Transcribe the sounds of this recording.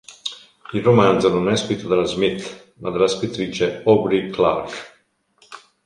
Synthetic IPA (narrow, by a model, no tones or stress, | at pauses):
ilromand̪zononɛskɾit̪ʰːod̪alazmit̪ | mad̪elːaskɾit̪ːɾiːt͡ʃeɔbɾiklaɾk